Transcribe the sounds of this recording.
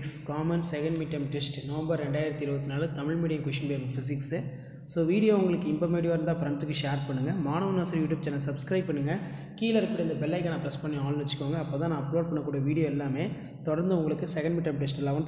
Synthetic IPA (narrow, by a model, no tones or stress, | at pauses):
kskaːmɐnsɛɣɐɳmɪʈːɐmʈɛsʈnɔʋɐmbɐɾɾɛɳɖaːjɪɾɐt̪ːiɪɾɯbɐt̪ːɪnaːlɐt̪ɐmɪɻmiːɽɪjɐ̃mkʊʂɪnbeːɾfɪs̬ɪksɯ | soːʋiːɽɪjoːʊŋɡɐɭɯkːɯɪmbɐmeːɽɪjoːɾɯnd̪ãːfɾɐɳtɯkːɯʂeːɾpɐɳːɯŋɡɐmaːɳɐʋɐnaːsɐɾjuːʈjuːb̚t͡ʃɛnːɐsɐbskɾɐɪb̚pɐɳːɯŋɡɐ | kiːlɐɾɯkːpːɪɽɐɪnd̪ɐbɛlːɐɪkːɐnãːpɪɾɐspɐɳːiaːlʋɐt͡ʃːɪ̥kːoːŋɡɐːpːoːt̪ãːnãːɐploːɖ̚pɐɳːɐkːuːɽijɐʋiːɽɪjoːɛlːaːmeː | t̪ɔɽɐɾnd̪ɯʊŋɡɐɭɯkːɯsɛɣɐɳɖmɪʈːɐmʈɛsʈɛlːaːʋɐ